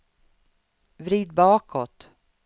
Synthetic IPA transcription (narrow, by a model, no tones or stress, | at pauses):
vɾiːd̪̚bɑːkɔt̪